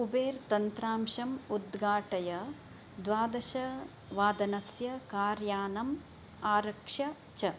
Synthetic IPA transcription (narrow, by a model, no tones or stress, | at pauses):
ubeːɾt̪ɐnt̪ɾaːmʃɐmud̪ɡaːʈɐjɐ | d̪ʋaːd̪ɐʃɐ | ʋaːd̪ɐnɐsjɐkaːɾjaːnɐm | aːɾɐkʂɐ | t͡ʃɐ